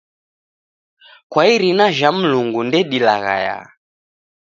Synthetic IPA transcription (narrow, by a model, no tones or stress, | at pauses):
kwaiɾinaʒam̩luŋɡundɛɗilaɣa̰ja̰